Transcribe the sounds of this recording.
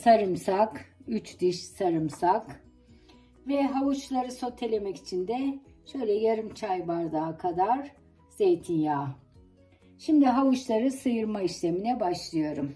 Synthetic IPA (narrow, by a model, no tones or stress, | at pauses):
saɾɯmsakyt͡ʃd̪iʃsaɾɯmsak | vɛɦavut͡ʃlˠaɾɯso̞t̪ʰːe̞lʲe̞mɛci̥t͡ʃʰind̪ɛʃø̞jlʲɛjaɾɯmt͡ʃʰajvaɾd̪aːkʰad̪aɾ | z̥ejt̪ʰinjaː | ʃimd̪iɦavuʃlˠaɾɯsɯjɯɾmaiʃlʲeminɛbaʃlˠɯjo̞ɾum